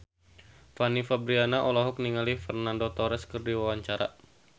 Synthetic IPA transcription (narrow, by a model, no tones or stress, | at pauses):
fanifabɾianaʔolaɦɔk̚niŋalifɛrnandot̪ɔɾɛskərdiwawaɲt͡ʃaɾa̰